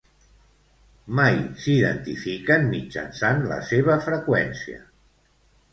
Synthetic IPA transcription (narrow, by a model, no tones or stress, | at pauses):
majsiðə̰nt̪ifikənmid͡ʒə̰nsanlə̰seβ̞əfɾəkwɛnsiə̰